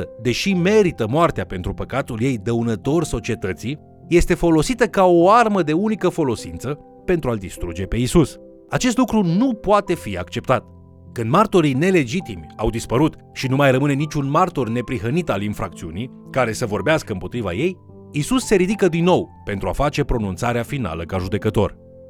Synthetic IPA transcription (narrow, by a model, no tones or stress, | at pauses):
əd̪e̞ʃime̞ɾit̪əmoart̪eape̞nt̪ɾupəkat̪ulje̞jd̪əunət̪o̞rso̞t͡ʃie̞t̪ət̪si | je̞st̪e̞fo̞lo̞sit̪əkao̞arməd̪e̞unikəfo̞lo̞sint̪sə | pe̞nt̪ɾuald̪ist̪ɾud͡ʒe̞pe̞isus | at͡ʃe̞s̬t̪lukɾunupoat̪e̞fia̰kt͡ʃe̞p̚t̪at̪ | kɨnd̪mart̪o̞ɾine̞le̞d͡ʒit̪imʲa̰wd̪ispəɾut̪ | ʃinumajrəmɨne̞nit͡ʃʲunmart̪orne̞pɾiɦənit̪alinfɾak̚t̪siunij | kaɾe̞səvo̞rbeaskəɨmpo̞t̪ɾiva̰je̞j | isusːe̞ɾid̪ikəd̪inːo̞wpe̞nt̪ɾuafat͡ʃe̞pɾo̞nunt̪saɾeafina̰ləkaʒud̪e̞kət̪o̞̰r